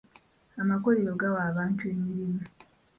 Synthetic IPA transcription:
amakoɾijoɡawaːβaːntue̞miɾimi

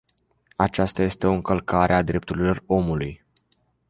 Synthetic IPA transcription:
at͡ʃast̪aje̞st̪e̞o̞ɨŋkəlkaɾead̪ɾe̞p̚t̪uɾilo̞ro̞muluj

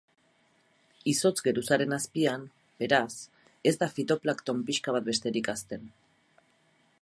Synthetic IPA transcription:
iso̞t͡sɡe̞ɾusaɾe̞naspiam | be̞ɾas | e̞zd̪afit̪o̞plakt̪o̞mpiʃkaβ̞at̪̚be̞st̪e̞ɾikast̪e̞n

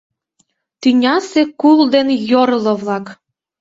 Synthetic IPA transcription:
t̪ynʲɑsekuld̪enjoɾlɤ̆βlˠɑk

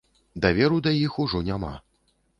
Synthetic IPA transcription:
d̪avʲɛɾud̪ɐjixuʐɔnʲama̰

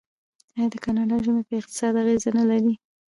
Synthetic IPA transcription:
ɑjɑd̪əkanɑɖɑʒumepəɪq̚t̪ɪ̥sɑd̪aɣezanalaɾi

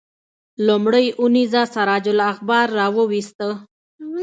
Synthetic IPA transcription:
lumɽəjunizasaɾɑd͡ʒʊlaxbɑɾːɑwəwist̪ə

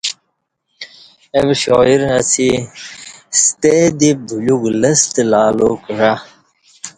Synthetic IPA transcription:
ebɕoːiɾət͡sʰi | st̪ed̪ibʱuluɡləst̪laːlokʐa

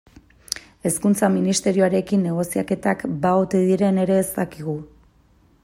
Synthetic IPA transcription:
e̞skunt͡saminist̪e̞ɾioaɾe̞kinːe̞ɣ̞o̞siake̞t̪akbaot̪eðiɾe̞ne̞ɾe̞ːst̪akiɣ̞u

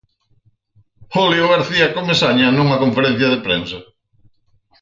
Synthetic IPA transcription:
oljoɣaɾθiɐkomesaɲanuŋɐkoɱfeɾɛ̃n̟θjɐðepɾensɐ

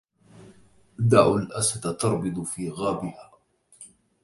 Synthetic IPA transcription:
d̪aʕwalʔasat̪t̪ɑɾˤbɨd̪ˤfiːɣaːbɪhaː

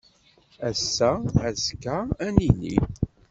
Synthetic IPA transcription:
æsːææskːææninḭ

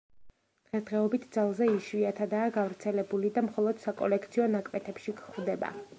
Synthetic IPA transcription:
d̪̥ʁɛsd̪ʁɛɔbit̪ʰd̪zalˠzɛiʃwiat̪ʰad̪aːɡavɾt̪sʰɛlɛbulid̪amχɔlˠɔd̪̥sakʼɔ̰lɛkʰt̪sʰiɔnakʼmɛt̪ʰɛpʃikχvd̪ɛba̰

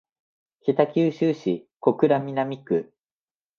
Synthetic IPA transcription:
kʲet̪akʲɨːɕɨːɕiko̞kɯ̟ɾamʲinamʲikɯ̟

